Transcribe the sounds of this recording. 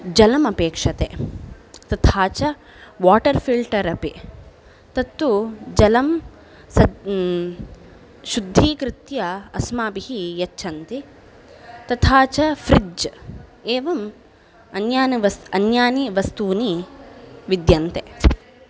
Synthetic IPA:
d͡ʒɐlɐmɐpeːkʂɐt̪e | t̪ɐt̪ʰaːt͡ʃɐ | ʋaːʈɐɾfʰilɖʈɐɾɐpi | t̪ɐt̪ːud͡ʒɐlɐm | sɐ | ʃud̪ʱːiːkɾɪt̪jɐɐsmaːbiɦijɐt͡ʃːʃʰɐnt̪i | t̪ɐt̪ʰaːt͡ʃɐfɾid͡ʒ | eːʋɐm | ɐnjaːniʋɐɐnjaːniʋɐst̪uːni | ʋid̪jɐnt̪e

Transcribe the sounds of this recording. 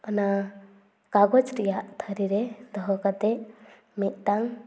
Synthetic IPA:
ɔna | kaɡɔd͡ʒɾijaʔt̪ʰəɾiɾɛd̪ɔɦɔkat̪ɛ | mit̪̚taŋ

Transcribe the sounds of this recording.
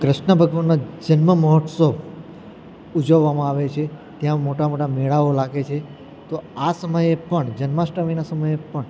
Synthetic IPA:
kɾɪʃnəbʱəɡʋanːad͡ʒənməməɦɔʈsəʋ | ud͡ʒəʋːamãaʋet͡ʃʰet̪jãmoʈamoʈameɭaʋolaɡet͡ʃʰe | t̪oasəməjepəɳd͡ʒənmasʈəʋinasəməjepəɳ

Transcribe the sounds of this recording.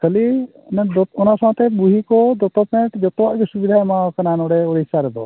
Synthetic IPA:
kʰəli | nɔnasãɦt̪ɛbuɦikɔd̪ɔt̪ɔpɛ̃ʈd͡ʒɔt̪ɔwaʔɡɔsubid̪ʱajmakananɔɽɛɔɽiisaɾɛd̪ɔ̰

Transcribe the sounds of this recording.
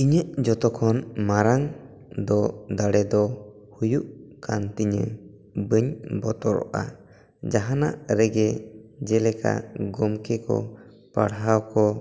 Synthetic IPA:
iɲəʔd͡ʒɔt̪ɔkʰɔnmaɾaŋ | d̪ɔd̪aɽɛd̪ɔ | hujuʔkant̪iɲə̰ | bəɲbɔt̪ɔɾɔ̰ʔa̰ | d͡ʒaɦana̰ʔɾɛɡɛd͡ʒɛlɛka̰ɡɔmkɛkɔ̰ | pa̰ɽɦawkɔ

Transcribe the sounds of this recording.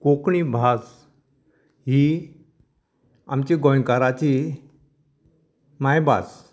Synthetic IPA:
kokɳibʱad͡z | ɦi | amt͡ɕiɡɔjkaɾat͡ɕi | majba̰s

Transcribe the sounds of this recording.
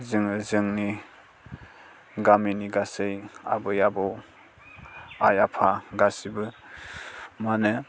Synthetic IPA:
zɯŋɯzɯŋni | ɡaminiɡasɯja̰bɯjabɯw | ajapʰaɡasibɯ | manɯ

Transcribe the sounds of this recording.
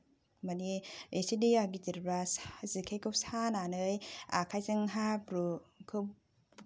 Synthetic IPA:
maniesidiaɡitiɾɾaszikʰejkɯwsananɯja̰kʰajzɯŋɦapɾukʰɯ

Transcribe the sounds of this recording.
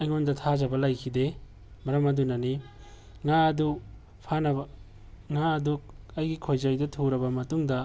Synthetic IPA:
ɐjŋondɐtʰazɐbɐlɐjkʰide | mɐɾɐmɐdunɐni | ŋaɐdu | pʰanɐbɐ | ŋaɐduɐjɡikʰojzɐjdɐtʰuɾɐbɐmɐtuŋdɐ

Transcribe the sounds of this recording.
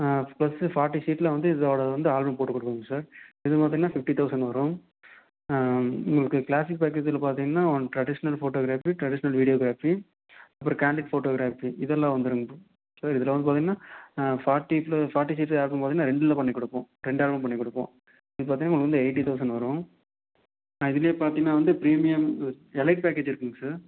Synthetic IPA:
plɐsɯfaːɾʈːisiːʈːlɐʋɐnd̪ɯɪðaːʋɽɐʋɐnd̪ɯaːlbɐmpoːʈːɯkɔɽɯkːɐŋɐsaːɾɪðɯpaːɾt̪iŋɐnːaːfɪfʈit̪ʰɐʊsɐɳɖʋɐɾʊ̃ | ʊ̰ŋɡɐɭɯkːɯklaːsɪk̚paːk̬ːeːd͡ʒɪlɐpaːɾt̪ĩŋɡɐnːaːɔɳʈɾɐɖɪʂɐnɐlfoːʈoːɡɪɾaːfiʈɾɐɽɪʂɐnɐlʋɪɽɪjoːɡɪɾaːfi | ɐpːɯɾõkaːɳɖɪʈfoːʈoːɡɪɾaːfiɪðɛlːãːʋɐnd̪ɯɾɯŋɡ | sɐɾɪðɐlɐʋɐnɯpaɾt̪iŋɐnaːfaːɾʈːiplɐfaːɾʈːisɪʈːaːɾbɐmpaɾt̪iŋnaːɾɛɳɖɪlɐpɐɳːɪkːɔɽɯpːõː | ɾɛɳɖaːɾbɐmpɐɳːɪkːɔɽɯpːõ̰ː | ɪðɯpaɾt̪iːŋnaːŋɡɭɐkʋɐnd̪ɯɐɪʈːit̪ɐʊs̬ɐɳɖʋɐɾʊ̃ | ɪðɪljeːpaːɾt̪iŋɐnaːʋɐnd̪ɯpɪɾiːmɪjɐm | ɛlɐɪʈ̚paːkeːd͡ʒɪɾɯkːɯŋɡɐsaɾ

